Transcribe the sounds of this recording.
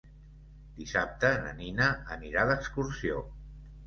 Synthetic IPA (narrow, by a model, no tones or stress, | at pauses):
d̪isap̚t̪əːnə̰ninəə̰niɾaðəkskuɾsio